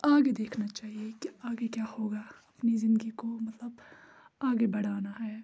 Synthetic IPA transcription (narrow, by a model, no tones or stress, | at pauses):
aːɡed̪eːkʰnat͡ʃaːɦiekiaːɡekjaːhoːɡaɐpnizɪ̃nd̪əɡikomɐt̪ləb | aːɡebɐɽ̤aːnaɦɛː